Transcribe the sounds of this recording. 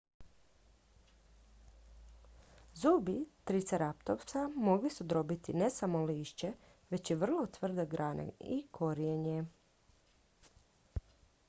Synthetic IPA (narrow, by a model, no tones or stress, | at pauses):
zuːbit̪ɾit̪seɾapt̪oʋt̪samo̞ɡlisud̪ɾo̞bit̪inesamo̞liːʃt͡ʃe | ʋe̞t͡ɕjiʋr̩lˠo̞t̪ʋr̩d̪eɡɾʔaːnḛikʰo̞ɾijeɲe